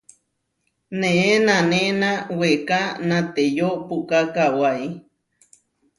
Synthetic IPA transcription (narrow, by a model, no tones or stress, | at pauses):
nẽʔenãnenãwekanãt̪ejoʔpukakawaj